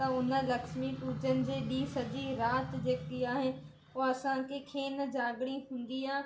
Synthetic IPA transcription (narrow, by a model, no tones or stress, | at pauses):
ãʊnə̆lɐkʃmiʈuːt͡ɕənɪ̆d͡ʑeːɗiːsɐd͡ʑiɾaːt̪d͡ʑeːkiaːɦɪnɪ̆ | oːɐsãkʰekʰeːnəd͡ʑaːɡɽiɦũːn̆d̪iaː